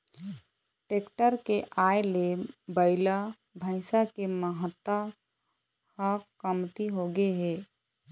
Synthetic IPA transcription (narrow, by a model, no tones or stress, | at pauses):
ʈeːkʈəɾkeʔaːelebəɪla | bʱəɪsakeməɦət̪ːa | hakəmt̪iɦoɡeɦɛː